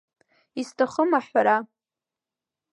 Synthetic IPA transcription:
istʰaχəmaħaɾa

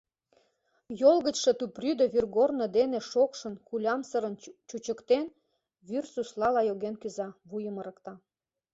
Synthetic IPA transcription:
jolɣə̆t͡ɕʃet̪upryd̪əβirɣornod̪ene̽ʃokʃə̆nkulʲɑmsəɾənt͡ɕut͡ɕəkt̪en | βyrsuslɑlɑjoɣenkyzɑβujəməɾə̆kt̪ɑ

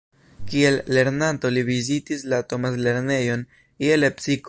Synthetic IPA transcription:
kielːe̞ɾnant̪oliβizit̪islat̪omasle̞ɾne̞jon | ielepsik

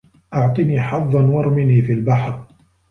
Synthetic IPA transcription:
ʔɑʕt̪ˤɨniːħɑðˤːɑnwɑɾˤmɪniːfiːlbaħɾ

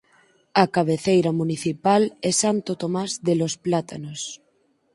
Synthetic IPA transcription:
akaβ̞eθejɾamuniθipalesant̪ot̪omazðelosplat̪anos

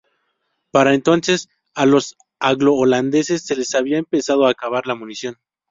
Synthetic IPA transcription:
paɾaent̪o̞nses | alo̞s | aɣlo̞ːland̪e̞se̞sːe̞le̞saβiaempe̞sað̞oakaβ̞aɾlamũnisjo̞n

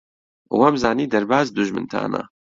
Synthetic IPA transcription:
wamzaːniːd̪ɐɾbaːzd̪uʒmɨ̰nt̪ʰa̰ːna̰

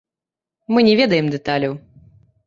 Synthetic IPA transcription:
mɨnʲɛvʲɛd̪ɐjɛmd̪ɛt̪alʲɐw

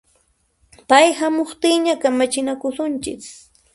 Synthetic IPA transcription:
pajhamoχt̪ɪːɲakamat͡ʃɪnakʊsʊnt͡ʃɪk

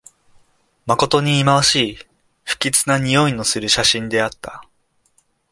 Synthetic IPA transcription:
mako̞t̪o̞ɲ̟iːmaβaɕiː | ɸɯ̟̥kʲit͡sɨnaɲ̟ijo̞ino̞sɨɾɯ̟ɕaɕĩnd̪e̞at̪ːa

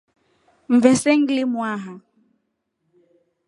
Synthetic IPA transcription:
ɱ̩vɛsɛŋɡlimwaɦa

